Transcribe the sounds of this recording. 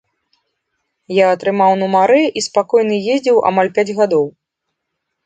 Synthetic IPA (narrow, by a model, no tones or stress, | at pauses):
jaɐt̪ɾɨmawnumaɾɨʔispakɔjnɨjezʲd͡zʲɛwa̰malʲpʲad͡zʲɣad̪ɔw